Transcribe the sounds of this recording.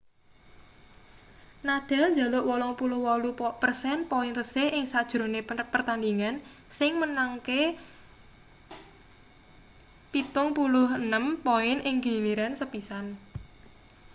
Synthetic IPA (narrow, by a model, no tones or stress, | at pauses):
nad̪̥a̤lɲd͡ʒa̤lʊʔwɔlɔŋpulʊhwɔlupərsɛnpoɪnrəsɪhʔɪŋsad̥ʒ̥ɾo̤nepərt̪and̪iŋan | sɪŋmənaŋke | pit̪ʊŋpulʊɦənəmpoɪnʔɪŋɡiliɾansəpisan